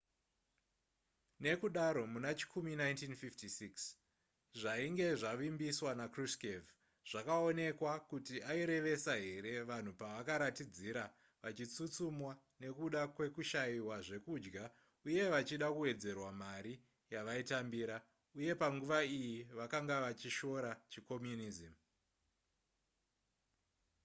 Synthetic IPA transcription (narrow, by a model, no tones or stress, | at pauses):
ne̞kuɗaɾo̞munat͡ʃi̥kʰuminaintinfiftisiks | ʐaiŋɡe̞ʐaʋimbiswanakriskev | ʐ̥akao̞ne̞kwakutiaiɾe̞ʋe̞saɦe̞ɾe̞ʋan̤upaʋakaɾatid͡ziɾa | ʋat͡ʃit͡sut͡sumwa | ne̞kuɗakwe̞kuʃaiwaʐe̞kud͡ʒɡa | uje̞ʋat͡ʃiɗakuwe̞d͡ze̞rwamaɾi | jaʋaitambiɾa | uje̞paŋɡuʋaijiʋakaŋɡaʋat͡ʃiʃo̞ɾat͡ʃiko̞mjunizim